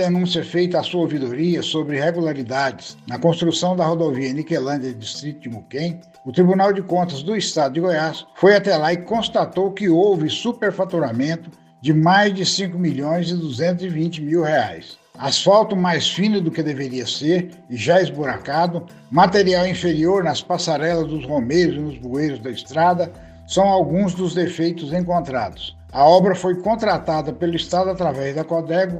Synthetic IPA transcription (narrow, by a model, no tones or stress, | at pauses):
d̪enũsiɐfejt̪ɐasowvid̪oɾiɐsobɾɪheɡulaɾid̪ad͡ʒɪsnɐkõst̪ɾusɐ̃w̃d̪ɐhod̪oviɐnikelɐ̃d͡ʒɐdist̪ɾit̪ʊd͡ʒɪmukẽj̃ | ʊt̪ɾibunawd͡ʒɪkõnt̪ɐzd̪ʊist̪ad̪ʊd͡ʒɪɡojasfojat̪ɛlaɪkõst̪at̪owkɪowvɪsupeɾfat̪uɾamẽnt̪ʊ | d͡ʒɪmajzd͡ʒɪsĩŋkʊmiʎõj̃zɪd̪uzẽnt̪ʊzɪvĩnt͡ʃɪmiwheajs | asfawt̪ʊmajsfĩnɐd̪ʊkɪd̪eveɾiɐseɾ | ɪʒaɪzboɾakad̪ʊ | mat̪eɾiawĩfeɾioɾnɐspasaɾɛlɐzd̪ʊzhomejɾʊzɪnʊzbuejɾʊzd̪ɐist̪ɾad̪ɐ | sɐ̃w̃awɡũzd̪ʊzd̪efejt̪ʊzẽŋkõnt̪ɾa̰d̪ʊs | ɐɔbɾɐfojkõnt̪ɾat̪ad̪ɐpelʊist̪ad̪ʊat̪ɾavɛzd̪ɐkod̪ɛɡʊ